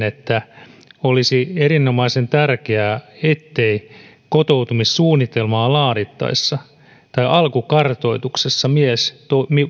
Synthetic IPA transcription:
net̪ːæolisieɾinːomɑisent̪ærkeæet̪ːei | kot̪out̪umissuːnːit̪elmɑːlɑːɾit̪ːɑ̰isːɑ | t̪ɑiʔɑlkukɑrt̪o̞it̪uksesːɑmiest̪omi

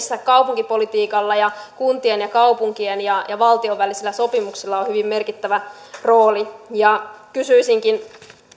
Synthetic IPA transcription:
sːækɑupuŋkipolit̪iːkɑlːɑjɑkunt̪ienjɑkɑupuŋkienjɑjɑʋɑlt̪ioʋʋælisilːæso̞pimuksilːɑonhyʋimmerkit̪ːæʋæ | ro̞ːlijɑkysyisiŋkin

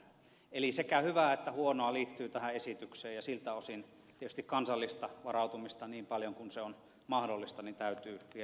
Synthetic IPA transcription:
elisekæhyʋæˑet̪ːæhuonoɑliːt̪ːyːt̪æhæesit̪ykseːjɑsilt̪æosin | t̪iet̪yst̪ikkɑnsɑlːist̪ɑʋɑrɑˑut̪umist̪ɑniːmpɑljoŋkunseon | mɑhdolːist̪ɑnint̪æyt̪yːʋie

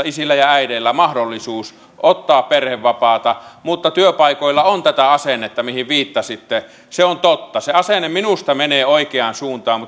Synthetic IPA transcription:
isilːæjɑæiɾelːæmɑhdolːisuːs | ʔot̪ːɑːpperheʋːɑpɑːt̪ɑmut̪ːɑt̪yøpɑˑikoilːɑont̪æt̪æɑsenːet̪ːɑmihiʋʋiːt̪ːɑsit̪ːe | seont̪ot̪ːɑseɑsenːemminust̪ɑmeneːoikeɑːnsuːnt̪ɑːmmut̪

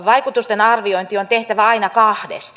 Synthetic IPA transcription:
ʋɑikut̪ust̪enɑrʋioint̪iont̪eht̪æʋæɑinɑkɑhdḛst̪

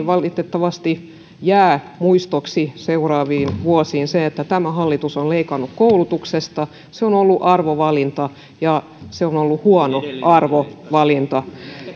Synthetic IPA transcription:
ʋɑlit̪et̪ːɑʋɑst̪i | jæː | muist̪oksiseurɑːʋiːnʋuosiːnseet̪ːæt̪æmæhɑlːit̪usonleikɑnːukkoulut̪uksest̪ɑ | seonolːuʔɑrʋoʋɑlint̪ɑ | jɑ | seonolːuhuɑnoʔɑrʋoʋɑlint̪ɑ

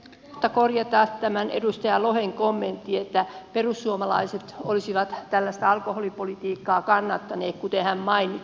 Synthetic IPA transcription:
mot̪ːɑkorjɑt̪ɑːtt̪æmænḛdust̪ɑjɑloheŋkomːent̪ːiet̪ːæperusːuomɑlɑiset̪olisiʋɑt̪t̪ælːæst̪æɑlkoholipolit̪iːkːɑːkɑnːɑt̪ːɑneːkkut̪ehæmmɑini

